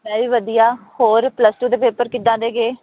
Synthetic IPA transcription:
mɛ̃ːʋiːʋəd̪ijaːhoːɾpləsʈuːd̪eːpeːpəɾkɪd̪ãːd̪eːɡeː

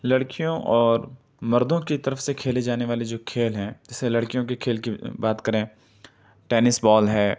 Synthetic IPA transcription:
lɐɽkijõʔɔːɾ | mɐɾd̪õkit̪ɐɾəfsekʰeːled͡ʒaːneʋaːled͡ʒoːkʰeːlɦɛ̃ːd͡ʒɪselɐɽkijõkikʰeːlkibaːt̪kɐɾẽː | ʈɛːnɪsbɔːlɦɛː

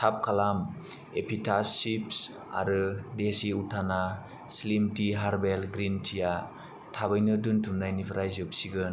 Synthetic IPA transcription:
tʰap̚kʰalam | epʰitʰasips | a̰ɾɯdesiutʰana | slimtiɦaɾbelɡɾintʰija | tʰabɯjnɯduntʰumnajnipʰɾajzɯp̚siɡɯn

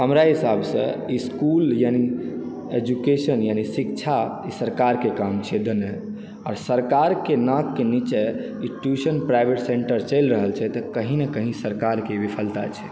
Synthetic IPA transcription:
həmɾaɦisabʱsə̰̃iskuljani | ed͡ʒukesənjanisikt͡ʃʰa | isəɾkaɾkekamt͡ʃʰɛd̪əne | ɔːɾsəɾkaɾkenãkːenit͡ʃɛ | iʈusənpɾaɪbʱeʈseɳʈəɾt͡ʃəɪlɾəɦəlt͡ʃʰɛt̪əkəɦĩnekəɦĩsəɾkaɾkebipʰəlt̪a̰t͡ʃʰɛ̥

